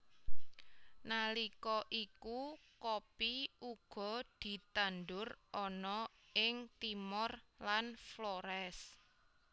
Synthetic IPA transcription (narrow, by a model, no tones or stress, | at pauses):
nalikɔʔikukopiʔuɡ̥ɔ̤d̪̥i̤t̪and̪ʊrɔnɔ | ɪŋt̪imɔrlanflɔɾɛs